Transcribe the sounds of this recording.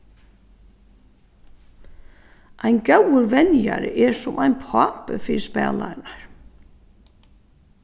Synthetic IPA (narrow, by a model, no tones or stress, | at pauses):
ʔajnkawʏɾvɛnjaɾɪ̰ʔɛɹsʊmʔajnpʰaːpəfɪːɾɪspɛ̰ːlaɾɪnaɹ̥